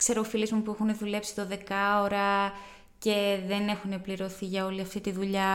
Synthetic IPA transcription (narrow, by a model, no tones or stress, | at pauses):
kse̞ɾofilezmupuexuneðule̞psi̥t̪o̞ðe̞kɐoɾɐ | ce̞ðe̞ne̞xune̞pliɾo̞θiʝɐo̞liɐft̪it̪iðuʎɐ